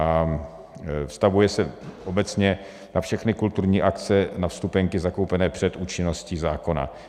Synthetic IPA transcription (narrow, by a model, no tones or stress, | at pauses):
a | fst̪avujɛsɛʔobɛt͡sɲɛ | nafʃɛxnɪkult̪uɾɲiːʔakt͡sɛnafst̪upɛŋkɪzako̞wpɛnɛːpr̝̥ɛt̪ʔuːt͡ʃɪno̞sciːzaːko̞na̰